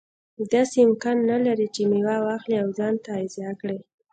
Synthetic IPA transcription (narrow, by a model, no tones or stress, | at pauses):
d̪ɑseɪmkɑnːalaɾit͡ʃemewawɑxliawzɑnt̪aɪzɑkɽaj